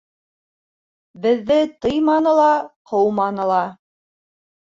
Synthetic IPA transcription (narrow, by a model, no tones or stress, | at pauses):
bɘ̆ðːɘt̪ɤjmɑnɤ̆lˠɑqʰɤwmɑnɤ̆lˠɑ